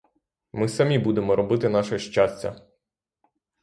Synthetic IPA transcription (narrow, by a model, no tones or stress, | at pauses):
mɪsɐmʲibud̪emɔɾɔbɪt̪ɪn̪ɑʃɛʃt͡ʃasʲt͡sʲɐ̰